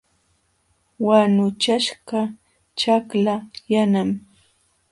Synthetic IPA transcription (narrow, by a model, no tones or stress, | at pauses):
wanʊt͡ʃaʃɢa | t͡ʃaklajanam